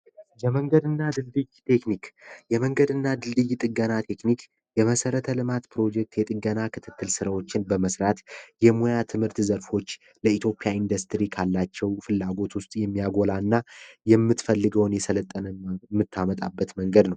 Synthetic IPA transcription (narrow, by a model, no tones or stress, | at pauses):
jɛməŋɡəd̪ɨnːad̪ɨldɨjt̪ʰe̞knikjɛməŋɡəd̪ɨnːad̪ɨlːɨjt̪ʼɨɡənat̪ʰe̞knik | jɛməsəɾət̪ʰəlɨmat̪pʰɾo̞d͡ʒɛk̚t̪jɛt̪ʼɨɡənakʰɨt̪ʰɨt̪ːɨlsɨɾawot͡ʃːɪnbəməsɾat̪jɛmojat̪ʰɨmhɨɾt̪zəɾfo̞t͡ʃː | ləit̪ʰjo̞pʼjaind̪əst̪ɨɾikʰalːat͡ʃːɛwfɨlːaɡo̞t̪wʊst̪ʼjɛmːijaɡo̞lanːajɛmːɨt̪fəlːɨɡəwnjɛsələt̪ʼːənəmːɨt̪ʰːamət̪ʼa̰bːət̪məŋɡəd̪nəw